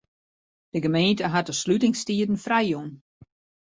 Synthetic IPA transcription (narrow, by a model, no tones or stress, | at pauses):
d̥əɡəmeːntəɦat̚əslytɪŋstiədn̩frɛjjun